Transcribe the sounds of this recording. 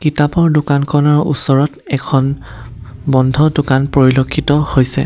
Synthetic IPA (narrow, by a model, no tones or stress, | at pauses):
kitapɔɹdʊkankʰɔnɔɹṵsɔɹɔtɛkʰɔn | bɔndʱɔdʊkanpɹoɹilokʰːitɔhojsɛ̰